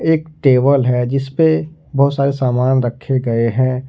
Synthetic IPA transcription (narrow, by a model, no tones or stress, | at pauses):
eːkʈeːʋəlɦɛd͡ʒɪspebɐɦʊt̪saːɾesaːmaːnɾɐkʰːeɡɐeɦɛ̃ː